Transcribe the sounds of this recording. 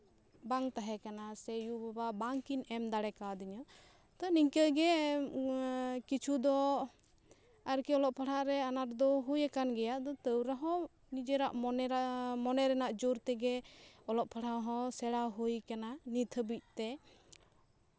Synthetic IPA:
baŋt̪aɦɛkanasɛjubababaŋkinɛmd̪aɽɛkad̪iɲɔ | t̪ɔniɲkəɡɛ | kit͡ʃʰud̪ɔ | aɾkiɔlɔʔpʰaɽaɾɛanaɾd̪ɔɦujɛkanɡɛjaʔd̪ɔt̪əwɾaɦɔ̃ | nid͡ʒɛɾaʔɔmɔnɛɾɛnaʔd͡ʒuɾt̪ɛɡɛɔlɔʔpʰaɽaɦɔ̃sɛɽaɦujkananit̪ʰəbic̚ˀt̪ɛ

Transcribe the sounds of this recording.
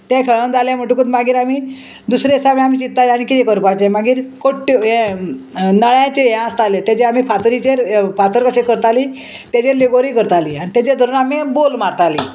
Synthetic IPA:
t̪ãkʰeɭənd͡zaljam̤əʈukut̪maɡiːɾamiː | d̪usɾesamijamiːt͡ɕit̪ːalaɽ̃ikit̪ekəɾpat͡ɕemaɡiːɾkoʈːẽ | nəɭjãt͡ɕeeãst̪alet̪jat͡ɕeamiːpʰat̪ɾit͡ɕeɾpat̪əɾkəɕekəɾt̪ali | t̪jat͡ɕeleɡoɾikəɾt̪alḭːañit̪jat͡ɕed̪ʱəɾuːnamibolmaɾt̪aliː

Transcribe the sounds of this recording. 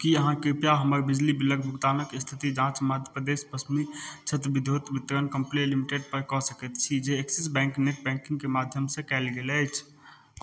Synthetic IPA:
kiəɦãkɾipjaɦəməɾbid͡ʒlibiləɡbʱukt̪aːnəkst̪ʰit̪id͡ʒãt͡ʃməd̪ʱjəpɾəd̪espəsmit͡ʃʰət̪ɾbid̪ʱjot̪bit̪ɾənkəmplelimiʈeɖ̚pəɾkɔsəkət̪t͡ʃʰid͡ʒeːksisbɛ̃ːŋkneʈ̚bɛ̃ŋkĩŋɡkemad̪ʱjəmsẽkɛɪlɡeləɪt͡ʃʰ

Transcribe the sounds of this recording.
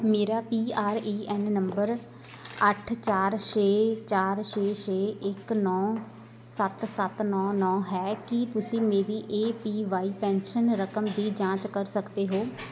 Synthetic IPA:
meːɾaːpiːaːɾeːʔɛːnːəmbəɾ | əʈʰt͡ʃaːɾʃeːt͡ʃaːɾʃeːʃeːɪknɔː | sət̪sət̪nɔ̃ːnɔ̃ːɦɛːkit̪ʊsĩːmeːɾiːʔeːpiːʋaːiːpɛ̃ːnʃənɾəkəmd̪iːd͡ʒãːt͡ʃkəɾsəkd̪eːɦoː

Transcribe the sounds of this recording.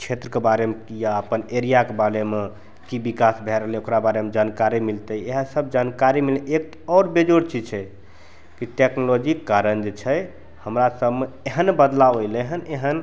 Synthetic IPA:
t͡ʃʰet̪ɾəkebaɾemekijaəpəneɾijakebaleme | kibikasbʱeɾəɦleokɾabaɾemed͡ʒankaɾimilt̪əeɦə̃səb̚ʱd͡ʒankaɾimilek̚t̪ɔːɾbed͡ʒoɾt͡ʃid͡ʒt͡ʃʰɛ | kiʈeknolod͡ʒikːaɾənd͡ʒet͡ʃʰɛ | həmɾasəbme | eɦənbəd̪laojləɦəneɦən

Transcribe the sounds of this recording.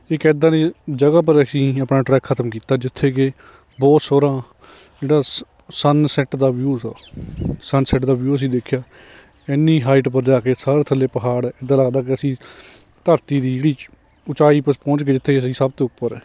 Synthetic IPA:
ɪkɛːd̪ãːneːd͡ʒəɡaːp̬əɾəsĩːəpnãːʈɾɛːkʰːət̪əmkiːt̪aːd͡ʒɪt̪ʰːeːkeː | bɔːt̪soːɾãː | d͡ʒeːɽaː | sənsɛːʈd̪aːʋɪjuːt̪aːsənsɛʈd̪aːʋjuːəs̬ĩːd̪eːkʰjaː | ɛnːĩːɦaːɪʈpəɾd͡ʒaːkeːsaːɾeːt̪ʰəlːeːpəɦaːɽɛːɪd̪ãːləɡd̪aːkeəsĩː | t̪əɾt̪iːd̪iːd͡ʒeːɽiː | ʊt͡ʃaːiːpəpɔ̃ːt͡ʃkeːd͡ʒɪt̪ʰːeːkəsĩːsəbt̪oːʊpːəɾɛː

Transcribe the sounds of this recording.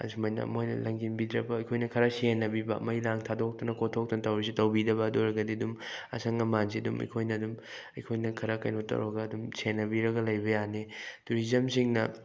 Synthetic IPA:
ɐ̰zumojnɐ̰ɐ̰mojnɐ̰lɐŋɡinbidɾɐbɐɐjkʰojnɐkʰɐɾɐsenːɐbibɐ̰mɐjlaŋtʰadok̚tɐnɐkotʰok̚tɐnɐtɐwɾis̬itɐwbidɐbɐːdoɾɐɡɐdiɐdumɐ̰sʰɐŋɐmanziɐdumɐ̰jkʰojnɐːdum | ɐjkʰojnɐkʰɐɾɐkɐ̰jnotːɐ̰wɾɐɡɐːdumsenːɐbiɾɐɡɐlɐjbɐjanetuɾizɐmsiŋnɐ

